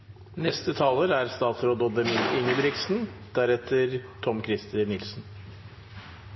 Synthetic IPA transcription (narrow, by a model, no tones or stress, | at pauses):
nɛst̪ət̪ʰɑːləɾæɾst̪ɑːt̪sɾoːd̪ɔd̪əmɪlɪŋəbɾɪksn̩d̪̥æɾɛt̪ʰəɾt̪ʰɔmkʰɾɪst̪ʰəɾnɪlsn̩